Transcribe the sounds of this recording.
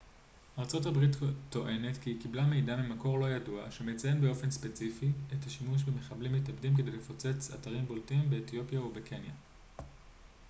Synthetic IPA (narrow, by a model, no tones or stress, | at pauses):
aʁt͡so̞thabʁittːo̞ʔe̞ne̞tkikiblamejdamemako̞ʁlo̞jadua̰ʃeme̞t͡saje̞nbeo̞fe̞nspet͡sifietaʃimuʃ̬beme̞χablimːitabdimke̞de̞jlefo̞t͡se̞t͡sa̰taʁimbo̞ltimbe̞ːtjo̞pjaubeke̞nja